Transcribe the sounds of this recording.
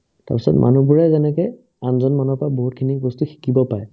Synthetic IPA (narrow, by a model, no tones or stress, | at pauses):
ta̰ɹpisɔtmʔa̰nubuɹɛzɛnɛkɛj | anzɔnmɔnɔpɹaboɦut̚kʰinibɔstuxi̥kibɔpaj